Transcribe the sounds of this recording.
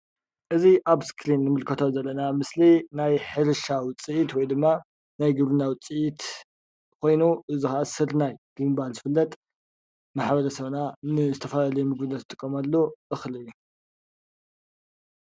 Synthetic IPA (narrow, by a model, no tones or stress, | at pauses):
ʔɨziʔaβskʰɾinːɨmɨlkʰɐt̪ʰozɐlːɐnamɨslinajħɨɾʃawt͡sʼːɨʔit̪wɔjd̪ɨmːa | najɡɨβlɨnawt͡sʼɨʔit̪ | kʰo̞jnuʔɨzixɐʔasɨɾnajɡ̥ɨmɨbalzɨfɨlːɐt̪ʼ | maħbɐɾɐsɐβnanɨzɨt̪ʰɐfɐlalɐjumɨɡbɨnɐt̪ʰːɨt̪ʼɨkʼːomalːoʔɨxlɨjːu